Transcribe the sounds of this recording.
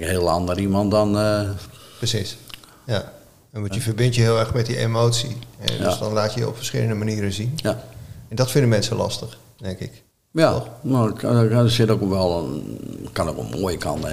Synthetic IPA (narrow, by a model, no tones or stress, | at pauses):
khɪəlˠandəɾimɑntdɔn | prəsis | ja | ɛnʋɔjəfərbɪntjəɦɪːlˠɛɹxmɛtdiʔemoːtsiɛ̰dø̰sdɔnlaːtjəɔ̰pfərsχɪ̰lˠəndəmaniːɾəzinjɛndɔtfɪndəmɛnsəlɑ̰stəx | d̥ɛŋkɪk | jaɔnosɪtokʋɛlˠ | kanokʋɔ̰lˠmoəjəkʰɑ̰ntə